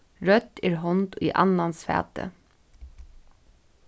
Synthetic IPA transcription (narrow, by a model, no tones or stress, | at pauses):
ɹœt̪ːɪɹɦɔnt̪ḭʔa̰nːansfæ̰ːt̪ə̰